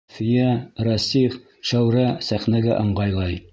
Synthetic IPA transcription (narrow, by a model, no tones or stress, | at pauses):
fɘ̆jæɾɑsʲif | ʃæwɾæsæχnæɡæʔɤ̆ɴɢɑjlˠɑj